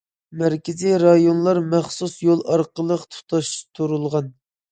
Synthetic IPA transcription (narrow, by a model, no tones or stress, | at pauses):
mæɾkʲɪziɾɑjonlˠɑɾmæχsusjolˠʔɑɾqəlˠəqt̪ʰu̥t̪ʰɑʃt̪ʰuɾulˠʁɑn